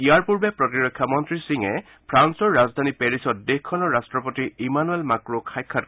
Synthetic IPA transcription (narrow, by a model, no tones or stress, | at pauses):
ijaɹpuɹbɛpɹɔtiɹɔkʰːjamɔntɹisiŋɛ | pʰɹansɔɹːazd̪ʱanipeɹisɔt̚dexkʰːɔnɔɹɹastɹɔpɔtiimanuelmakɹokʰajkʰːat